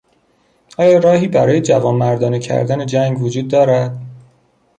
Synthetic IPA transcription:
ʔɒːjɒːɾɒːɦiːbæɾɒːje̞d͡ʒævɒːnmæɾd̪ɒːnecʰæ̰ɾd̪æne̞d͡ʒæŋɡvod͡ʒuːd̪ːɒːɾæd̪̥

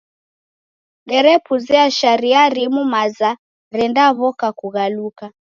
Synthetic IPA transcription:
ɗɛɾɛpuzɛaʃaɾiaɾimumaza | ɾɛndaβɔkakuɣaluka

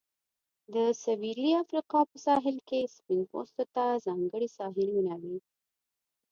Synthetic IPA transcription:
d̪əsawiliafɾiqɑpəsɑɦɪlkespɪnpo̰st̪ot̪azɑŋɡəɽisɑɦɪlwʊnjɑwi

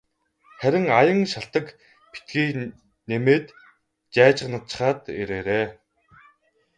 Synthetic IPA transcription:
χæɾʲɪ̆ŋajə̆ŋʃaɬt̪ə̆k | pi̥t̪̚ɡiːk | nemeːt̪ | t͡ɕæːt͡ɕɪ̆ʁnə̆t͡ɕə̥̆χaːt̪ḛɾeːɾeː

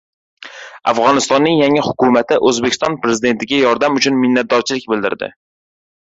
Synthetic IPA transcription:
a̰fʁɒnɪst̪ɒnːɪŋjaŋɪhʊkʊmat̪ʰɪʔɵzbekʲɪ̥st̪ɒnpɾe̞zɪd̪e̞nt̪ʰɪɡʲajɒɾd̪amʊt͡ʃʰʊnmɪnːat̪̚d̪ɒɾt͡ʃʰɪlɪkʲbɪld̪ɪ̰ɾd̪ɪ̰

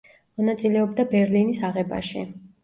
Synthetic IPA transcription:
mɔnat̪sʼilɛɔbd̪abɛɾlinisaʁɛba̰ʃḭ

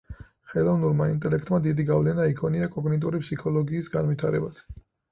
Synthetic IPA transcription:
χɛlˠɔvnuɾmaint̪ʼɛlɛkʰt̪ʼmad̪id̪iɡavlɛnaikʰɔniakʼɔɡnɛt̪ʼuɾipʰsikʰɔlˠɔɡiːsɡanvit̪ʰaɾɛbas

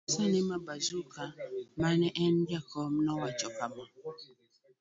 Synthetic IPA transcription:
sanɛmabazukamanɛʔɛndakɔmnɔwat͡ʃɔkama

